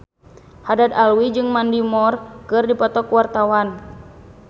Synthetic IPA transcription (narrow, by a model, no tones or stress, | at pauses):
hadat̪alwid͡ʒɨŋmandimɔrkɨrdipɔt̪ɔkuwart̪awan